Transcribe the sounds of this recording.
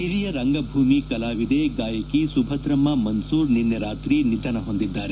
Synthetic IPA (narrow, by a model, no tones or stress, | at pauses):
iɾijɐɾɐŋɡɐbʱuːmikɐlaːʋid̪eɡaːjɐkisubʱɐd̪ɾɐmːɐmɐnsuːɾninːjɐɾaːt̪ɾinid̪ʱɐnɐɦo̞nd̪id̪ːaːɾe